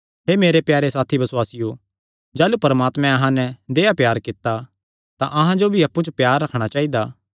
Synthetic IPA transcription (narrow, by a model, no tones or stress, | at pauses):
ɦeːmeːɾepjaːɾesaːt̪ʰibɐsʊwaːsɪjo | d͡ʒaːlupɐɾəmaːt̪mɛ̃ɐɦãnɛd̪eːapjaːɾkɪt̪ːa | t̪ãʔɐɦãd͡ʒobʱiɐpːut͡ʃəpjaːɾːɐkʰɽ̃at͡ʃaːid̪aː